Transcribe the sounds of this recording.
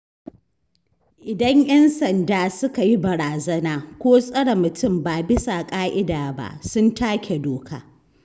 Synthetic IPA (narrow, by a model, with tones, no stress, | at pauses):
ʔɪ˨dɐ˦ɲj̰ɐ˦nsɐ˨ndaː˨sʊ˦ka˨ji˦bɐ˨ɾaː˨zɐ˦naː˨kʷoː˦sʼɐ˦ɽa˨mʊ˨tʊ˦˨mbaː˨bɪ˦sa˨kʼaː˦ʔɪ˦daː˨ba̰˦ʔsʊ˦ntaː˦kʲʰe˨doː˨kʰa̰ː˦